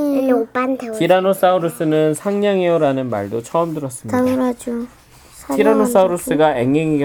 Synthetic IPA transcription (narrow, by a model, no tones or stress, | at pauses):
pandtiɾanos͈auɾus͈ɯnɯnsʰaŋɲaŋeoɾanɯnma̰ɭdot͡ɕʰʌɯmdɯɾʌs͈ɯmaɾad͡ʑo | iɾanos͈auɾus͈ɯɡaeŋːeŋiɡ